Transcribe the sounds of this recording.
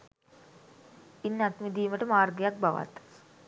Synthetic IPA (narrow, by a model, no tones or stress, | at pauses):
inːat̪mid̪iːməʈəmaːrɡejak̚baʋa̰t̪